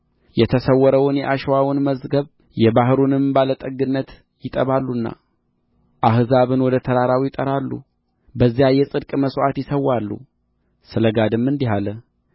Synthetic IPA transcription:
jɛt̪ʰəsəwːɔɾəwnjɛʔaʃwawʊnməzɡəβ | jɛbaɦɾunɨmbalət̪ʼəɡɨnːət̪ | jɪt̪ʼəβalːunːa̰ | ʔahzaβɨnwɔd̪ət̪ʰəɾaɾawijɪt̪ʼəɾalːṵ | bəzːijajɛsʼɨd̪kʼməsʔat̪jɪsəwːalːṵ | sɨləɡad̪ɨmːɨnd̪iɦalə

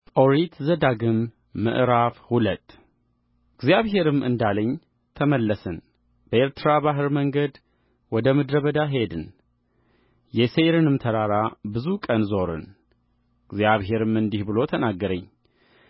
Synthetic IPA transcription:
tʼoɾit̪zəd̪aɡɨmː | ɨ̰ʔɾafhulət̪ʼː | ɨɡzijaβɦe̞ɾɨmɨ̰nd̪aləɲː | t̪ʰəməlːəsən | b̥əeɾt̪ʰɨɾabaɦɨɾməŋɡəd̪ | wɔd̪əmɨd̪ɾəβəd̪aɦe̞d̪ɨn | jɛseɾɨnɨmt̪ʰəɾaɾabɨzukʼənzo̞ɾɨ̰n | ɡzjaβhe̞ɾɨmɨnd̪ihbɨlo̞t̪ʰənaɡːəɾəɲː

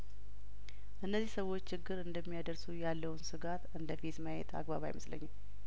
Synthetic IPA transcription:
ʔɨnːəzːihsəwːo̞t͡ʃːt͡ʃːɪɡːɨɾɨnd̪əmːijad̪əɾsujalːəwnsɨɡat̪ɨnd̪əfit̪məjḛt̪ʰa̰ɡbaβa̰jɪ̰məslə̰ɲːam

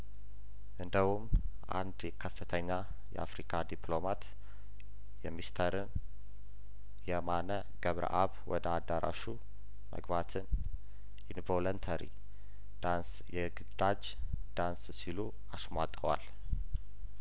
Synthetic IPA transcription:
ʔɨnd̪əhumʔa̰nd̪jɛkʰəfːɨt̪ʰəɲːa | jɛ̰ʔa̰fɾikʰad̪iplo̞mat̪ | jɛmist̪ʰəɾɨn | jɛmanə | ɡ̥əβɾə̰ʔaβwɔd̪əad̪ːaɾʔa̰ʃu | mʔə̰ɡbat̪ʰɨn | ʔinvolont̪ʰəɾḭ | d̪̥ans | jɛɡɨd̪ad͡ʒ | d̪̥anssilu | asmʷat̪ʼəwa̰l

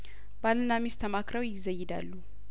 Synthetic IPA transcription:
balɨnamist̪ʰəmakɾəwjɪzəjːɪd̪a̰lːu

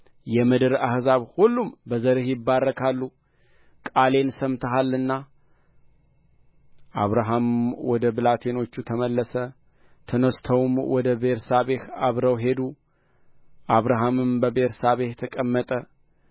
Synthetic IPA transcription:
jɛmɨd̪ɨɾahzaβhulːumbəzəɾɨhjɪbːarːəkʰalːu | kʼale̞nsəmt̪ʰəɦalːɨnːa | ʔaβɾaɦamwɔd̪əbɨlat̪ʰeno̞t͡ʃːut̪ʰəməlːəsə | t̪ʰənəst̪ʰəwmwɔd̪əbeɾsaβehaβɾəwɦe̞d̪u | ʔaβɾaɦamɨmbəbeɾsaβeht̪ʰəkʼəmːət̪ʼə

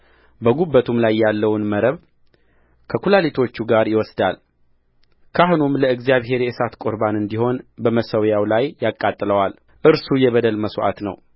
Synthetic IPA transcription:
bəɡubːət̪ʰumlajːalːəwnməɾəβ | kʰəkʰulalit̪ʰo̞t͡ʃːuɡaɾjɪwɔsd̪al | kʰahnumləɨɡzijaβɦe̞ɾjɛʔɨsat̪kʼoɾbanɨnd̪iho̞nbəməsəwjawlajːakʼːat̪ʼːləwal | ʔɨɾsujɛβəd̪əlməsoʔa̰t̪nə̰w

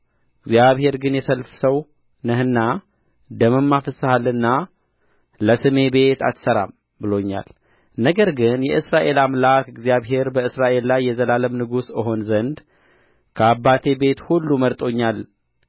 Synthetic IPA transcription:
ɨɡzijaβhe̞ɾɡɨnjɛsəlfsəw | nəhɨnːa | d̪əmɨmːafəsɨhalːɨnːa | ləsɨme̞be̞t̪ʰa̰t̪səɾa̰m | bɨlo̞ɲːa̰l | nəɡəɾɡɨnjɛʔɨsɾaʔe̞lamlakɨɡzijaβɦe̞ɾbəɨsɾaʔe̞lːajːɛzəlaləmnɨɡusɨɦo̞nzənd̪ | kʰəabːat̪ʰe̞be̞t̪hulːuməɾt̪ʼo̞ɲːal

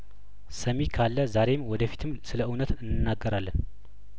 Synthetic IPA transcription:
səmikʰalːəzaɾe̞mwɔd̪əfi̥t̪ʰɨmsɨləʔɨwnət̪ɨnːɨnːaɡːəɾalːən

